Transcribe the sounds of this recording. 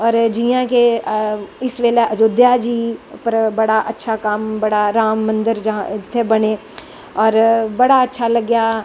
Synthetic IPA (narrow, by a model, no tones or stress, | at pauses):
ɔːɾd͡ʒijãke | ɪsʋeːleʔəd͡ʒoːd̪jad͡ʒiːpəɾbɐɽaʔətːʃʰakɐmbɐɽaɾaːmːə̃nd̪əɾd͡ʒɦãd͡ʒɪt̪ʰːebəɽeː | ɔːɾbɐɽaɐtːʃʰaləɡjaː